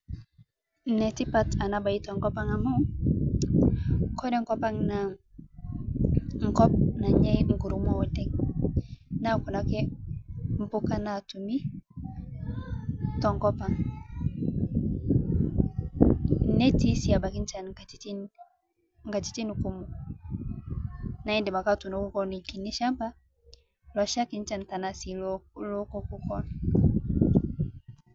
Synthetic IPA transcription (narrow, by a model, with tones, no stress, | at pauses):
nɛ˨ti˦pa˦˨ta˨na˦ba˨i˦to˨ŋkɔ˦pa˦ŋa˨mo˦ | kɔ˦dɛ˦ŋ˦ko˦pa˦ŋna˨ | ŋ̩˨kɔ˦p̚na˨ɲɛ˦jŋ̩˨ɡu˨ɾu˦mo˦wɔ˦tɛ˦ŋ | na˦ku˨na˨ke˦ | m̩˨pu˦ka˦na˨tu˨mi˦ | tɔ˨ŋkɔ˦pa˨ŋ | ne˦ti˦si˦a˨ba˨ki˦n˦t͡ʃa˨n˨ŋa˨ti˦ | ŋɡa˨ti̥˨˦ti˦nu˨ku˦mu˨ | na˨i˦nde˨ma˨ka˦˨tu˨no˨˦ku˦kɔ˦ni˨ki˨ni˦ʃa˦mba˦ | lɔ˨ʃa˦ki˦n˦t͡ʃa˦˨n˨ta˨na˨si˨llɔ˦kɔ˦ku˦kɔ˦na˨